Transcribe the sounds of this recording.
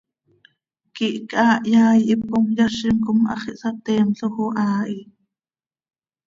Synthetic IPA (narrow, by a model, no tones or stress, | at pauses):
kiʔkaːʔjaːjʔip̚komjɑʃimkomʔɑ̰χiʔsɑt̪ɛːmɬoxuʔaːʔi